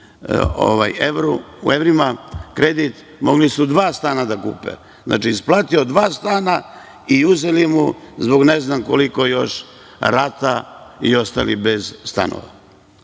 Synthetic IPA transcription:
o̰ʋa̰jeʋɾu | ṵevɾimakɾed̪it̪ | mo̞ɡlisud̪ʋaːst̪aːnad̪akṵːpḛ | znʔa̰t͡ʃiːsplˠaːt̪io̞d̪ʋaːst̪aːna | iuzelimuzbo̞ɡneznamkolikojo̞ʃ | ɾat̪aio̞st̪a̰libezst̪a̰no̰ʋa̰

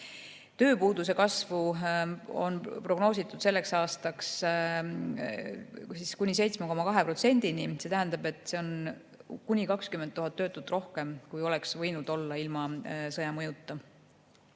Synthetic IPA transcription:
t̪ø̞ːpuːd̪use̞kɑsvu | o̞npro̞ɡno̞ːsit̪ːˑud̪̥se̞lːe̞ksɑːst̪ɑks | siskunʲise̞jt̪smeko̞mɑkɑɦe̞pro̞t̪se̞nʲd̪̥inise̞t̪æɦænd̪ɑbe̞t̪ːˑse̞o̞n | kunʲikɑkskyment̪ːuɦɑt̪ːø̞ːt̪ːˑut̪ːˑro̞hke̞mkujo̞lɛksvɤ̞jnud̪̥o̞lːɑilmɑsɤjɑmɤjut̪ːˑɑ

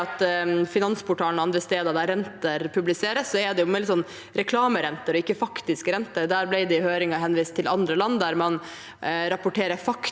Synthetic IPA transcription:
ɑt̪fɪnɑnspʰʊʈʰɑːlnɑnd̪ɾəst̪eːd̪ɑɾd̪æɾɛnt̪əɾpʰʉblɪseːɾəsːɔɛd̪ɛjʊmɛlɪsɔnː | ɾɛkʰlɑːməɾɛnt̪əɾɔɪkːəfɑkt̪ɪskəɾɛnt̪əɾd̪æːɾblæɪd̪ɛɪhøːɾɪŋɑɦɛnʋiːst̪ʰːɪlɑnd̪ɾəlɑnːd̪æɾmɑn | ɾɑpʊʈʰeːɾəfɑk

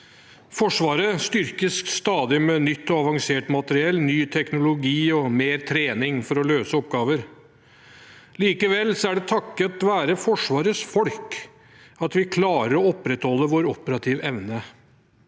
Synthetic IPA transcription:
fɔʂʋɑːɾəst̪ʏɾkəsst̪ɑːd̪ɪmɛnʏt̪ːɔɑʋɑŋseːʈmɑt̪əɾɪɛlːnyːt̪ʰɛknʊlʊɡiːɔmeːɾt̪ʰɾeːnɪŋfɔɾɔløːsəɔp̚ɡɑːʋəɾ | liːkəʋɛlːsɔæɖɛt̪ʰɑkːət̪ʋæːɾəfɔʂʋɑːɾəsfɔlk | ɑt̪ʋɪkʰlɑːɾəɾɔɔpːɾɛt̪hɔlːəʋoːɾɔpəɾɑt̪ʰɪʋɛʋnə

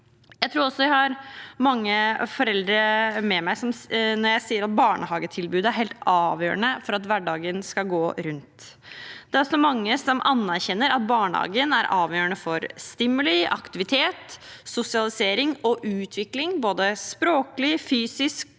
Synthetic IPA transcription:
jæɪt̪ʰɾuːɾɔsːɔʋæhɑɾmɑŋːəfɔɾɛld̪ɾəmɛmæɪsɔmnɔɾjæɪsiːəɾɑt̪̚bɑːɳʔəhɑːɡət̪ʰɪlbʉːd̪æɾhɛɪlt̪ɑːʋjø̰ːəɳəfɔɾɑt̪ʋæɖɑːɡənskɑɡoːɾʉnt̪ | d̪̥ɛæɾɔsɔmɑŋːəsɔmʔɑnːæɾçɛnːəɾɑ̰t̪̚bɑːɳəhɑ̰ːɡənæɾʔɑːʋjøːəɳəfɔɾst̪ɪmːʉliʔɑ̰kt̪ɪʋɪt̪ʰeːt̪sʊsɪɑlɪseːɾɪŋɔʔʉːt̪ʰʋɪklɪŋboːd̪əspɾoːkəlɪfyːsɪsk̚

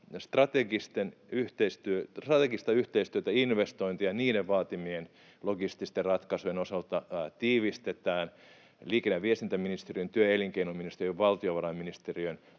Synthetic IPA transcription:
st̪rɑt̪eɡist̪enyht̪eist̪yørɑt̪eɡist̪ɑyht̪eist̪yøt̪æinʋest̪oint̪ijɑniːɾeʋʋɑːt̪imien | loɡist̪ist̪errɑt̪kɑsujenosɑlt̪ɑt̪iːʋist̪et̪æːn | liːkenːæʋʋiest̪int̪æminist̪eriønt̪yøeliŋkeinominist̪eriøʋʋɑlt̪ioʋɑɾɑmminist̪eriøn

